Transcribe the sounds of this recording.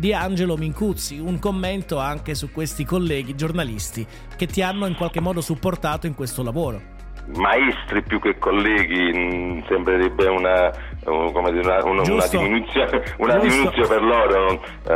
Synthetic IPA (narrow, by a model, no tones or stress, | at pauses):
d̪iand͡ʒelomiŋkut̪sːiuŋkomːent̪oaŋk̟esukwest̪ikolːɛːɡid͡ʒornalist̪i | ket̪ːianːoiŋkwalk̟emːɔːd̪osupːort̪aːt̪oiŋkwest̪olavoːɾo | maist̪ɾipjukːekːolːɛːɡisembɾeɾebːeuna | komed̪iːɾenaṵnd͡ʒunad̪iminut̪sjounad̪iminusjoperlɔːɾo